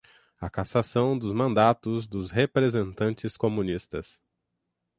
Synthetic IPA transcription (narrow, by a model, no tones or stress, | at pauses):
ɐkasasɐ̃w̃d̪ʊzmɐ̃nd̪at̪ʊzd̪ʊzhepɾezẽnt̪ɐ̃nt͡ʃɪskomũnist̪ɐs